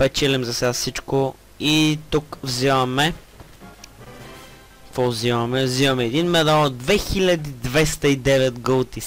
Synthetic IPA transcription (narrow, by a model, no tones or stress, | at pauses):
pɛt͡ʃɛlɛmzɐsɛassit͡ʃko | it̪ukvzivɐmɛ | fozivɐmɛvzivɐmɛːd̪inmɛd̪alˠd̪vɛxilʲɐd̪id̪vɛst̪ɐid̪ɛvɛt̪ɡəlˠt̪i